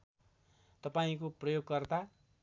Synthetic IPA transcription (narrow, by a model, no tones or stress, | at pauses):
t̪ʌpaĩkoprʌjoɡ̚kʌrt̪a